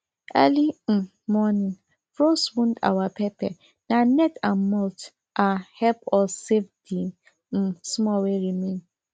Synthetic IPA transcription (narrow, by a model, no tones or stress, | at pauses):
ɛ̰li | mɔnĩn | fɾoswũnda̰wapɛpɛ̰ | nanɛtãnmɔlt | ʔahɛpɔsevdi | smɔweɾimẽn